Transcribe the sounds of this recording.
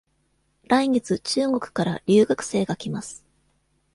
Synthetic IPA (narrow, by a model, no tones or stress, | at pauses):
ɾaiŋe̞t͡sɨt͡ɕɨːɡo̞kɯ̟̥kaɾaɾʲɨːɡakɯ̟̥se̞ːɡakʲimasɨ̥